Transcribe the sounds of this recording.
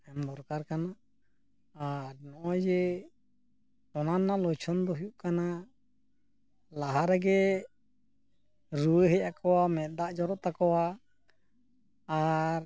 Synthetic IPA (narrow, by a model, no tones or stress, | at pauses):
ɛmbɔɾkaɾkanaʔ | aɾnɔʔɔd͡ʒɛ | ɔnanːalɔjt͡ʃʰɔnd̪ɔɦujuʔkana | laɦaɾɛɡɛ | ɾuwəɦɛjakɔwamɛt̪̚ˀd̪aʔd͡ʒɔɾɔʔt̪akɔwa | ɾ